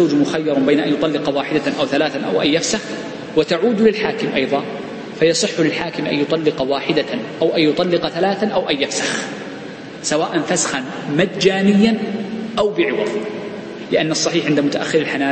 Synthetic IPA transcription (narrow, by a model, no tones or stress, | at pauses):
awd͡ʒmʊxajːɑɾˤbeːnaʔanjʊt̪ˤɑlːɪqɑwaːħɪd̪aʔawθalaːθanʔa̰wʔajːafsax | wɪt̪aʕuːd̪lɪlħaːkɪmʔɑjðˤɑː | fajɑsˤɨħːlɪlħaːkɪmʔa̰jʊt̪ˤɑlːɪqɑwaːħɪd̪aʔawʔajjʊt̪ˤɑlːɪqɑθalaːθanʔawʔajːafsax | sawaːʔanfasḁxanmad̪d͡ʒaːnɪjːanʔawbɪʕɪwɑ̰ðˤ | lɪʔanːɑsˤːɑħiːħʕɪnd̪amʊt̪aʔa̰xːɪɾɪlħanaː